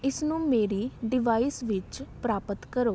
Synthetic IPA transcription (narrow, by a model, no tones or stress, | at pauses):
ɪsnũːmeːɾiːɖɪʋaːiːsʋɪt͡ʃpɾaːpət̪kəɾoː